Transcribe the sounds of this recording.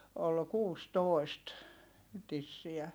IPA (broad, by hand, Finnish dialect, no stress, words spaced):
ol kuːstoˑi̯st tisːiæ